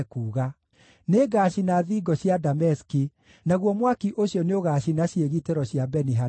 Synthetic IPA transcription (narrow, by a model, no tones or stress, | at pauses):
kuːɣa | neɡaɕinaðiːɡɔɕjadamɛski | naɣwɔmwakiʔoɕjɔneoɣaɕinaɕieɣiteɾɔɕjabɛniɦa